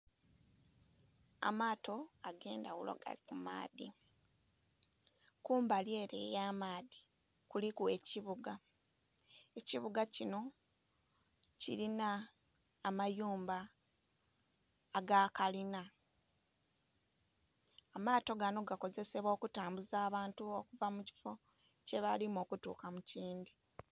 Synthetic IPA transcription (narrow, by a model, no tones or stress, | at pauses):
a̰maːto̞aɡe̞ːndawulo̰ɡa̰ikuma̰ːði | kuːmbalje̞ːɾḛjaːmaːði̥ | kulikue̞ciβuɡa | e̞ciβuɡacino̞ | cḭɾinaː | majuːmba | ɡakalina | maːto̞ɡano̞ɡako̞ze̞se̞βo̞ːkutaːmbuzaːβaːntuo̞kuvamuci̥fo̞ | ce̞βalimo̞ːkutṵːkamuciːndi